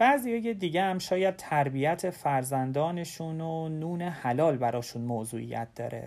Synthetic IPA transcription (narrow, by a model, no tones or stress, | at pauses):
b̥æːzijɒːjed̪iːɟehæmʃɒːjæd̪̚t̪ʰæɾbijæt̪ʰe̞fæɾzænd̪ɒːne̞ʃunonuːne̞hælɒːlbæɾɒːʃunmozuːʔḭjæ̰t̪̚d̪̥ɒ̰ːɾḛ